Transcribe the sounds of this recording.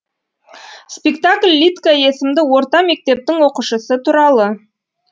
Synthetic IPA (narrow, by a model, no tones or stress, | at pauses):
spekt̪akʲlʲːit̪kaje̞sɪmd̪ɪwo̞ɾt̪ɑme̞k̚t̪e̞p̚t̪ɪŋwo̞quʃəsət̪ʰuɾɑlˠə